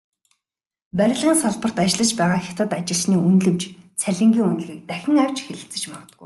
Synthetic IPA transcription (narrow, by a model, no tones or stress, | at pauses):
pæɾʲɪ̆ɮʁiːnsɔɮpə̆r̥t̪at͡ɕɮə̆t͡ɕpæːʁaːxʲḁt̪ə̆t̪at͡ɕɪ̆ɮsniːunɮɘ̆mt͡ɕt͡sʰæɮʲɪ̆ŋɡʲiːŋunɮɣʲiːk̚t̪æxʲɪ̆ŋæw̥ʲt͡ɕxeɮɘ̆ɬt͡sɘ̥̆t͡ɕmɔ̆t̪ə̆ɡṵj